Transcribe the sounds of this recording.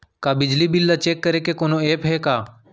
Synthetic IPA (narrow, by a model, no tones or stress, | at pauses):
kaːbɪd͡ʒliːbɪlːat͡ʃeːkːəɾeːkeːkoːnoːeːpɦɛːkaː